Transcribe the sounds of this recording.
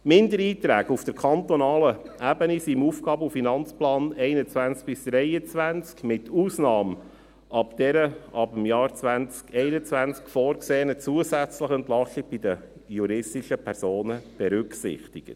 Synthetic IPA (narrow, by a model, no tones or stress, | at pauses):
mɪndəɾiːt̪ɾæːɡufd̥əɾkʰɑnt̪ɔnɑːləʔæbənisimuːfɡɑːbufinɑnt͡splɑːnɛɪnət͡sʋænt͡sk̚b̥ɪsd̥ɾɛɪət͡sʋænt͡skmɪtuːsnɑːm | ʔɑpd̥̪ɛɾəɑbəmjɑːɾt͡sʋænt͡skɛɪnət͡sʋænt͡skfɔːɾkseːnət͡suəsæt͡sləχənt̪lɑxlɪb̥ɪd̪ə | juɾɪstɪʃəpʰɛɾsoːnəb̥ɛɾʏksɪ̰χt̪iɡ̥ət